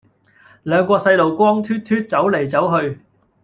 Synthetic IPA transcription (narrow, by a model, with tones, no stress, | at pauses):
lœː˨˧ŋkʷɔː˧k̚sɐ˧jlo˨˩wkʷɔː˥ŋt̪ʰyː˥t̚t̪ʰyː˥t̚t͡sɐ˨˥wle˨˩jt͡sɐ˨˥wɦɵ˧ɥ